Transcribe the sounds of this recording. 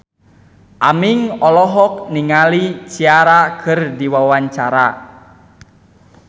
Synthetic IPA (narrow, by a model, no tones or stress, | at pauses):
ʔamiŋɔlɔɦɔk̚niŋalit͡ʃiaɾakʰɨrdiwawaɲt͡ʃaɾa